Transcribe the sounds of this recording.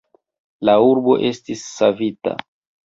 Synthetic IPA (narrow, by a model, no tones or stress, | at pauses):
lauɾbo̞ʔe̞stisːavita̰